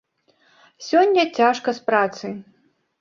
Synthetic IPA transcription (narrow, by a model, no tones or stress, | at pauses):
sʲɔnʲːɐt͡sʲaʂkɐspɾat̪sɨ